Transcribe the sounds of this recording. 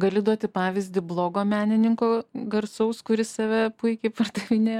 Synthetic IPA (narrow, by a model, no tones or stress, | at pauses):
ɡɐlʲɪd̪uɔt̪ʲɪpɑːʋʲɪzʲd̪ʲɪblˠoːɡoːmʲæːnʲɪnʲɪŋkoːɡɐɾsɐʊskʊɾʲɪssɑʋʲɛpʊɪkʲɛɪpɐrd̪ɐʋʲɪnʲeːj